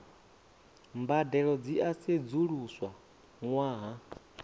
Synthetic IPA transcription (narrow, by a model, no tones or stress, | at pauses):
mbadɛɺɔd͡ziʔased͡zuɺuswa | ŋwaːɦa